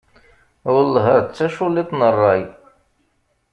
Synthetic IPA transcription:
əlːɦəɾt͡sːæʃulit̪ˤnərˤːɑj

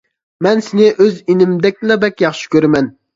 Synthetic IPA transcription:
mɛnsɪnɪʔøzinɪmd̪ɛk̚ʲlɛbɛkʲjɑχʃi̥kʲøɾɪmɛn

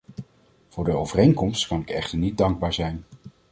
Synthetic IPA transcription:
v̥ʊːɹdəowvərejŋkɔmstkɑnɪkɛχtəɹnit̚dɑŋɡ̚baːɹzɛjn

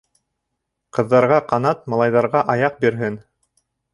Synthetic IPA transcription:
qɤ̆ðːɑɾʁɑqɑnɑt̪̚mɑ̆lˠɑjðɑɾʁɑʔɑjɑq̚biɾɦɘn

